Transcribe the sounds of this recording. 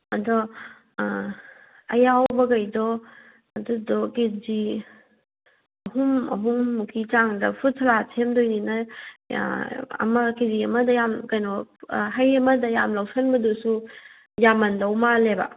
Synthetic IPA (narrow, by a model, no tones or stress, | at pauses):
adɔ | ɐjawbɐɡajdɔ | ɐdudɔked͡ʒi | ɐɦumɐ̰ɦumːukʰit͡ʃaŋdɐpʰut̚tʰaɾatʰemdojnina̰ | ɐ̰mɐkeziɐmɐdɐjamkajnɔɦajemɐdɐjamlawsanbɐdusu | jamɐndawmaleba̰